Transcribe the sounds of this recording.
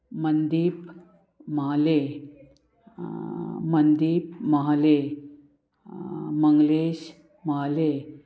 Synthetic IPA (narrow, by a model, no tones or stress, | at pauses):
mənd̪iːp | məɦale | mənd̪iːp̚məɦale | məŋɡleɕ | maɦale